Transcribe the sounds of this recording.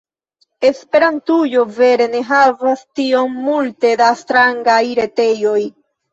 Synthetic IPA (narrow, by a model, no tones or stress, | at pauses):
e̞spe̞ɾantujo̞ve̞ɾe̞ne̞ɦavastio̞mːulte̞dastɾaŋɡajɾe̞te̞jo̞j